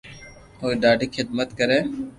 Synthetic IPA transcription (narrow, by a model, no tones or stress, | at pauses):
ɦoːiːɖaːɖiːxʰɪd̪̚mət̪kəɾeː